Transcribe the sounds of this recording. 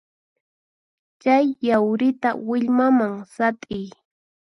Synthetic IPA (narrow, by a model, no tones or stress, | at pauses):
t͡ʃajːawɾɪt̪a̰wɪʎmamaŋsat̪ʼɪj